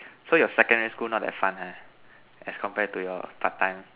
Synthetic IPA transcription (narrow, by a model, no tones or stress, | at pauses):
sojɔsɛkə̃ndɛɹiskulnɔt̚dɛ̰tfãna | ʔɛskʰɔ̃mpɛd̚tujɔpʰatːãɪ̃m